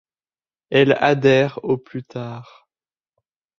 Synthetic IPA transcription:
ɛla̰d̪ɛʁoplyt̪aːʁ

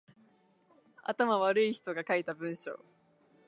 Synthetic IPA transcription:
a̰t̪amaβaɾɯ̟içi̥t̪o̞ɡakait̪abɯ̟̃ɰ̃ɕo̰ː

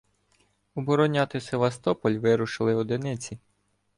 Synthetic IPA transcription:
ɔbɔɾɔnʲat̪ɪseʋɐst̪ɔpɔlʲʋɪɾʊʃɪlˠɪɔd̪ɪnɪt͡sʲi

